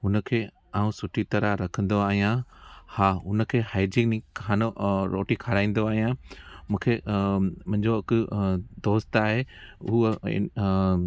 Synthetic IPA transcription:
ɦʊnəkʰeː | aːũsʊʈʰit̪ɐɾaɾɐkʰə̃nd̪oaːɦijãhãʊnəkʰeːhaːjd͡ʒɪŋnikʰaːnoɾoːʈikʰaɾaːĩːn̆d̪oaːɦijãmũːkʰeːmɐ̃ɲd͡ʑokd̪oːst̪aːɦeʊɦ

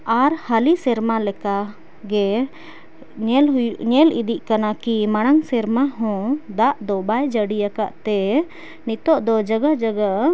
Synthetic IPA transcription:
aɾhalisɛɾmalɛka | ɡɛ | lɦjɲɛlḭd̪iʔkanakimaɽ̃aŋsɛɾmaɦɔ̃d̪aʔd̪ɔbajd͡ʒəɽijaka̰ʔt̪ɛ | nit̪ɔʔd̪ɔd͡ʒəɡad͡ʒəɡa

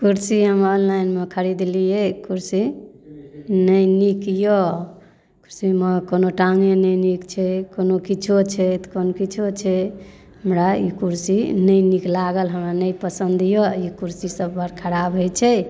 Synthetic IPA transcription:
kuɾsiɦəmənlajnmekʰəɾid̪lijekuɾsi | nəjnikjo | kuɾsiməkonoʈaŋɡenənikt͡ʃʰɛkonokit͡ʃʰot͡ʃʰɛt̪konokit͡ʃʰot͡ʃʰɛ | ɦəmɾaḭkuɾsinəjniklaɡəlɦəmɾanəjpəsənd̪joikuɾsisəbːəɾkʰəɾabəjt͡ʃʰɛ

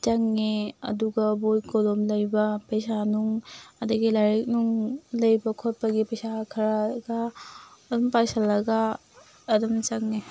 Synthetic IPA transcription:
t͡ʃaŋːeɐ̰duɡɐbojkolomlɐjbɐpɐjsanuŋɐdɐɡilaɾik̚nuŋlɐjbɐkʰot̚pɐɡipɐjsakʰɐɾaɡaː | dumpajsɐlːɐɡaː | dɐmt͡ʃaŋne

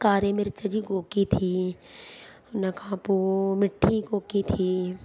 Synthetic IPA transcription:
kaːɾemɪɾt͡ʃɐd͡ʒiɡoːkit̪ʰi | nɐkãːpumɪʈʰːiɡoːkit̪ʰiː

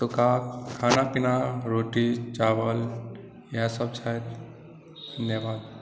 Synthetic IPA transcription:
tukakkʰːaːnapinaɾoːʈit͡ʃaːʋəl | jasəbsʰajɾ | d̪ʱɐnjəʋaːd̪̚

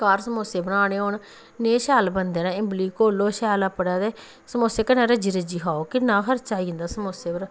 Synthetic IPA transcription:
kaːɾsəmoːseːbənaːneːɦoːn | neːʃɛːlbənd̪eːnãːɪmbliːkoːlːoːʃɛːlaːpəɽaːd̪eː | səmoːseːkənãːɾəd͡ʒiɾəd͡ʒiːɦaːoːkɪnãːɦəɾt͡ʃaːiːnd̪aːsəmoːseːbəɾaː

